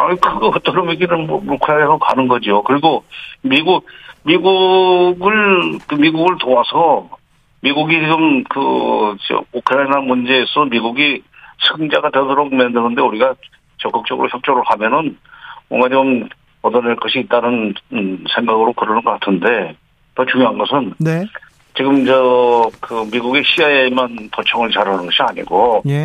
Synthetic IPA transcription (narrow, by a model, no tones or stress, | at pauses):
aikʰɯɡɯʌt͈ɯɾɯmeɡinɯnmʌmukʰɯɾaiadokanɯnɡʌd͡ʑiokɯɾiɡomiɡumiɡuɡɯɭkɯmiɡuɡɯɭtoasʰʌ | miɡuɡid͡ʑiɡɯmkɯt͡ɕukʰɯɾainamund͡ʑe̞ːsʰʌmiɡuɡisʰɯŋd͡ʑaɡadwedoɾok̚mendɯnɯnde̞uɾiɡa | t͡ɕʌk͈ɯk̚t͡ɕ͈ʌɡɯɾoçjʌp̚t͡ɕ͈ʌɾɯɭhamjʌnɯnwʌŋɡat͡ɕom | ʌtʌneɭk͈ʌɕʰiːt͈̚anɯnsʰeŋɡaɡɯɾokɯɾʌnɯnɡʌk͈atʰɯnde̞ | tʌt͡ɕuŋjoɦanɡʌsʰɯnne | t͡ɕiɡɯmd͡ʑʌkɯmiɡuɡeɕʰiaemantʌt͡ɕʰʌŋɯɭt͡ɕaɾanɯnɡʌɕʰiaɲḭɡo